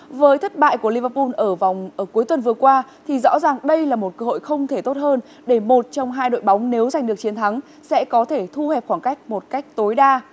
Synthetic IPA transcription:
vəː˨˦jt̪ʰə˦˥t̚ɓa̰ː˧˨jku˧˩əli˧vəː˧pu˧nʔəː˧˩va˨˩wŋ͡mʔəː˧˩ku˨˦əjt̪wə˨˩nvɨ˨˩əkwaː˧t̪ʰi˨˩zɔ̰˧˥zaː˨˩ŋɗə˧jlaː˨˩mo˨˩t̚kəː˧ɦo̰˧˨jxə˧wŋ͡mt̪ʰe˧˩t̪o˦˥t̚həː˧n | ɗe˧˩mo˨˩t̚t͡ɕɔ˧wŋ͡mɦaː˧jɗo̰˧˨jɓa˨˦wŋ͡mne˨˦wza˨˩jŋ̟ɗɨ˨˩ək̚t͡ɕi˨˦nt̪ʰa˨˦ŋ | sɛ̰˧˥kɔ˨˦t̪ʰe˧˩t̪ʰu˧hɛ˨˩p̚xwaː˧˩nka˦˥jk̟̚mo˨˩t̚ka˦˥jk̟̚t̪o˨˦jɗaː˧

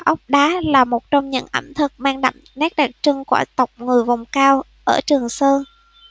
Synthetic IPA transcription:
ʔə˦˥wk͡p̚ɗaː˨˦laː˨˩mo˨˩t̚t͡ɕɔ˧wŋ͡mɲɨ̰˧˥ŋʔə̰˧˩mt̪ʰə˨˩k̚maː˧ŋɗa̰˧˩mnɛ˦˥k̚ɗa˨˩k̚t͡ɕɨ˧ŋku˧˩ət̪ə˨˩wk͡p̚ŋɨ˨˩əjva˨˩wŋ͡mkaː˧w | ʔəː˧˩t͡ɕɨ˨˩əŋsəː˧n

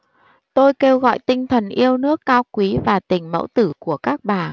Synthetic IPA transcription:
t̪o˧jke˧wɣɔ̰˧˨jt̪ï˧ŋ̟t̪ʰə˨˩nʔi˧əwnɨ˦˥əkːaː˧wkwi˨˦vaː˨˩t̪ï˨˩ŋ̟mə̰˧˥wt̪ɨ˧˩ku˧˩əkaː˦˥k̚ɓaː˨˩

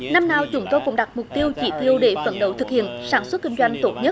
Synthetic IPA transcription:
na˧mnaː˨˩wt͡ɕʊ˨˧˦ŋ͡mt̪o˧jkʊ̰˧˥ŋ͡mɗa˨˩k̚mʊ˨˩k͡p̚t̪i˧əwt͡ɕi˧˩t̪i˧əwɗe˧˩fə̰˧˩nɗə˧˩wt̪ʰɨ˨˩k̚hḭ˧˨ənsaː˧˩nswə˦˥t̚kï˧ŋ̟zwa˧jŋ̟t̪o˦˥t̚ɲə˦˥t̚

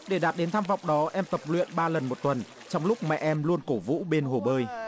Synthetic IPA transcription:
ɗe˧˩ɗaː˨˩p̚ɗe˨˦nt̪ʰaː˧mvɔ̰˧˨wŋ͡mɗɔ˨˦ʔɛ˧mt̪ə˨˩p̚lwḭ˧˨ənɓaː˧lə˨˩nmo˨˩t̚t̪wə˨˩n | t͡ɕɔ˧wŋ͡mlʊ˦˥k͡p̚mɛ̰˧˨ʔɛ˧mlu˧ənko˧˩vṵ˧˥ɓe˧nɦo˨˩ɓəː˧j

